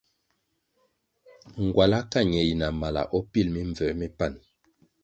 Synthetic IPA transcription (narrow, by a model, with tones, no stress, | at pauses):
ŋ˨ɡwa˨la˦ka˦˨ɲɛ˨ji˨na˨ma˨la̰˨ʔɔ˦pi˦˨lmi˦ɱvɛ˨˦mi˦pa˦˨n